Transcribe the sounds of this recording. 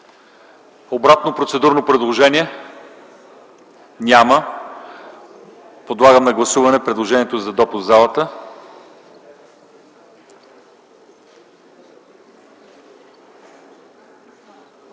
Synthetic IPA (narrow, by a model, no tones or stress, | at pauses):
obɾat̪nopɾot̪sɛd̪uɾnopɾɛd̪lˠoʒɛnʲiɛ | nʲamə | pod̪lˠaɡəmnɐɡlˠɐsuvɐnɛpɾɛd̪lˠoʒɛniɛt̪ozɐd̪ɔpʊszalˠət̪ə